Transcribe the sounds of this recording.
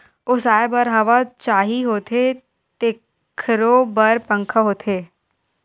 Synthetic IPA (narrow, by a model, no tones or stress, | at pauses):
ʊsaːebəɾɦɐʋat͡ʃaːɦiɦoːt̪ʰe | t̪e | kʰɾobɐɾpə̃ŋkʰəɦoːt̪ʰeː